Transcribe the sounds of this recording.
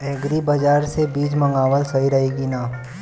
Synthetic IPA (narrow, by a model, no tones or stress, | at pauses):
ɛːɡɾibɐd͡ʒaːɾsebiːd͡ʒmɐ̃ŋɡaːʋəlsɐɦiɾɐɦeːɡinaː